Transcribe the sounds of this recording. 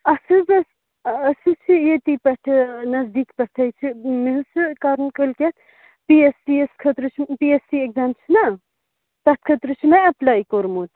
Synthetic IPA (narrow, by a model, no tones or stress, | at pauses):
ɐsɨbɐs | ɐsɨt͡ʃʰijet̪ipɐʈʰɐnɐzd̪iːkpɐʈʰɐt͡ʃʰimeɦɨsɨkaːɾnkɐlkʲet̪ | piesieskʰɐt̪ɾɨt͡ʃʰpiesiekzaːmt͡ʃʰinɐ | t̪ɐt̪̚ʰkʰɐt̪ɾɨt͡ʃʰimẽɐplaːikoːɾmoːt̪